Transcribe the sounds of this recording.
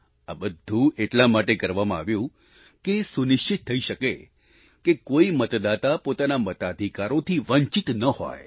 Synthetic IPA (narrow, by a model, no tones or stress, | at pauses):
a̰bəd̪ʱːũeʈlamaʈekəɾʋamãaʋjũ | kesunɪʃt͡ʃit̪ʰːəiʃəke | kekoimət̪d̪at̪apot̪anamət̪ad̪ʱikaɾot̪ʰiʋəɲt͡ʃit̪nəho̰j